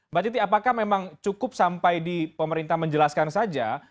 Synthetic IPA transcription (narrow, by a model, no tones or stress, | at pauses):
bat͡ʃit̪̬iapakahmemaŋt͡ʃukʊp̚sampajdipəməɾint̪ahməɲd͡ʒəlaskansad͡ʒa